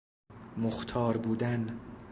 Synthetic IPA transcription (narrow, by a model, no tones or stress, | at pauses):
moxt̪ʰɒːɾbuːd̪æn